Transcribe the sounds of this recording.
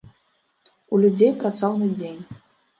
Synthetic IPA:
ulʲud͡zʲejpɾat̪sɔwnɨd͡zʲenʲ

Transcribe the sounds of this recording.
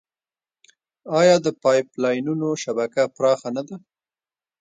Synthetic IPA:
ɑjɑd̪əpɑjplɑjnunoʃabakapɾɑxanad̪a

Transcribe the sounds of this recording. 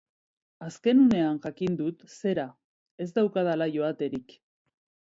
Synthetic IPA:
aske̞nune̞anʝakind̪ut̪se̞ɾa | e̞zd̪awkað̞alaʝo̞at̪e̞ɾik

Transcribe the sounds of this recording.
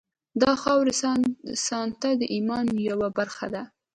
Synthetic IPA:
d̪ɑxɑwɾesɑnt̪ad̪əʔimɑnjawabaɾxa̰d̪a

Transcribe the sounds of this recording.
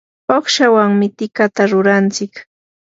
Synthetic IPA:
oχʃawaŋmɪt̪ɪkat̪aɾʊɾant͡sɪk

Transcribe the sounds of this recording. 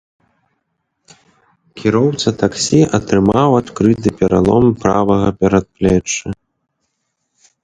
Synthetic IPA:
kʲʰiɾɔwt̪sɐt̪aksʲiʔɐt̪ɾɨmawat̪kɾɨt̪ɨpʲɛɾa̰lˠɔ̰mpɾavɐɣɐpʲɛɾɐt̪̚plʲɛt͡ʂːɨ

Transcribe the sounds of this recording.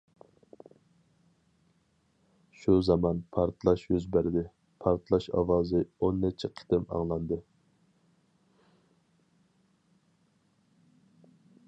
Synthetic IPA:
ʃuzɑmɑnpʰɑɾt̪ʰlˠɑʃjøzbæɾd̪ɪ | pʰɑɾt̪ʰlˠɑʃɑ̰wɑːzɨonːɛt͡ʃʰiqʰɪ̥t̪ɪmɑ̰ŋlˠɑnd̪ɨ

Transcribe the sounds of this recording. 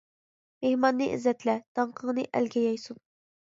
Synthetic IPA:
mehmɑnːɨʔɪ̰zɛt̪ʰlɛd̪̥ɑɴqʰəŋnɨʔæ̰lɡʲɛjɑjsun

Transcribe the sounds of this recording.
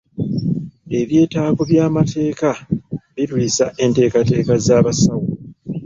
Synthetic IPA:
e̞βje̞ːtaːvoβjaːmatʰe̞ːkaβilwiːsaʔe̞nte̞ːkate̞ːkazaːβasawo

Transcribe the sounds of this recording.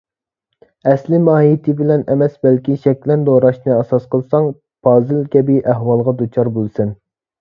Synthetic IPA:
ɛslɪmɑːɦijt̪ʰɪbɪlɛnɛmɛsbɛlkʲiʃɛk̚ʲlɛnd̪oɾɑʃnɨɛsɑsqəlˠsɑŋ | pʰɑːzɨlkʲɛbiʔæɦwɑlˠʁɑd̪ut͡ʃʰɑɾbolˠsɪn

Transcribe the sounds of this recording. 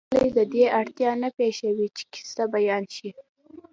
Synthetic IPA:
lejd̪əd̪eaɽt̪jɑnapeʃawit͡ʃe̥ki̥st̪abajɑnʃi

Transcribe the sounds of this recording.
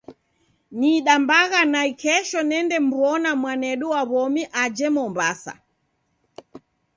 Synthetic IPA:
niːɗambaɣanaikɛʃɔnɛndɛmbwɔnamwanɛɗuwaβɔmiʔad͡ʒɛmɔmbasa̰

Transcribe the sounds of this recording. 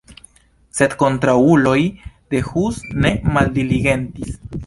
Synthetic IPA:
set̪kont̪ɾaulojd̪̥exusnemald̪iliɣent̪is

